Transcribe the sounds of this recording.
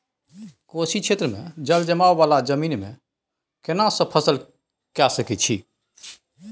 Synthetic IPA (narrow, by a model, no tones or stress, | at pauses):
kosikʰet̪ɾəmḛ̃d͡ʒəld͡ʒəmaʋʋalad͡ʒəmiːnmḛ̃ | kenasə̃pʰəsəl | kasəkɛt͡ʃʰi